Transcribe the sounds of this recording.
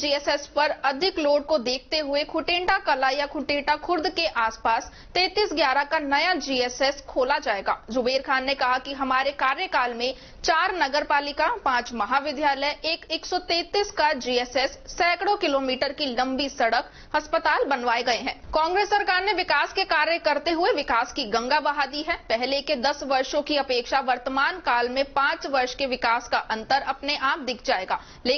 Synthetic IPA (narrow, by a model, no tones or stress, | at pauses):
d͡ʒiːɛːsɛːspɐɾɐd̪ʱɪkloːɽ̚kod̪eːk̚ʰt̪eɦʊekʰʊʈẽːɳʈakɐlajakʰʊʈẽːʈakʰʊɾd̪keʔaːspaːs | t̪ɛ̃ːt̪iːsɡjaːɾakanɐjad͡ʒiːeːsɛskʰoːlad͡ʒaːeːɡa̰ːd͡ʒʊbeːɾkʰaːnːekɐɦakiɦɐmaːɾekaːɾjəkaːlmẽ | t͡ʃaːɾnɐɡəɾpaːlɪkapãːt͡ʃmɐɦaʋɪd̪ʱjaːləjʔeːkeːksɔt̪ẽːt̪iːskad͡ʒiːɛːsɛsːɛːkɽokɪloːmiːʈəɾkilɐ̃mbisɐɽək | ɦɐspət̪aːlbɐnʋaːeɡɐeɦɛ̃ːkɔ̃ːŋɡɾeːsːɐɾkaːɾneʋɪkaːskekaːɾjəkɐɾt̪eɦʊeʋɪkaːskiɡɐ̃ŋɡabɐɦad̪iɦɛ̃ːpɛɦleked̪ɐsʋɐɾʃõkiɐpeːkʃaʋɐɾt̪əmaːnkaːlmẽpãːt͡ʃʋɐɾʃkeʋɪkaːskaʔɐ̃nt̪əɾɐpneʔaːp̚d̪ɪkʰd͡ʒaːeːɡaː | leː